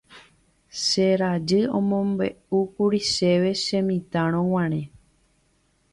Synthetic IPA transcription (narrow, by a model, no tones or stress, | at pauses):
ʃeɾad͡ʒɨõmõmbe̞̰ukuɾiʃe̞ʋe̞ʃẽmĩt̪ãɾ̃õw̃ãɾ̃ẽ